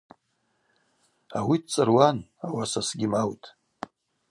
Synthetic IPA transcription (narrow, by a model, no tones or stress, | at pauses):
awidt͡sʼɨrwanawasasɡʲimawtʼ